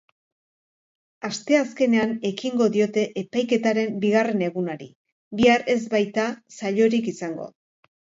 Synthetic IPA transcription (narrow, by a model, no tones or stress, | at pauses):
ast̪e̞aske̞ne̞ane̞kiŋɡo̞ðio̞t̪e̞ʔepajke̞t̪aɾe̞mbiɣare̞ne̞ɣunaɾḭ | βiare̞zbajt̪asaʎo̞ɾikisaŋɡo̞̰